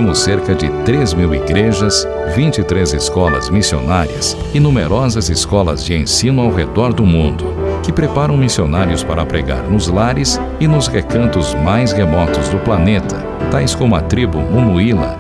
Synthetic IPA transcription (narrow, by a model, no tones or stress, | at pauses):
mʊsːeɾkɐd͡ʒɪ̰t̪ɾezmiwḭɡɾeʒɐs | vĩt͡ʃit̪ɾezɪskɔlɐ̰zmisio̰naɾiɐs | ɪnũmeɾɔzɐzɪskɔlɐ̰zd͡ʒɪẽsĩnʊawɦed̪ɔɾd̪ʊmũnd̪ʊkɪpɾepaɾɐ̃w̃misionaɾjʊspaɾɐpɾḛɡa̰ɾnʊzlaɾɪs | ɪnʊzʁekɐ̃nt̪ʊzmajshemɔt̪ʊzd̪ʊplanet̪ɐ | t̪ajskõmʊɐ̰t̪ɾibʊmũnuilɐ̰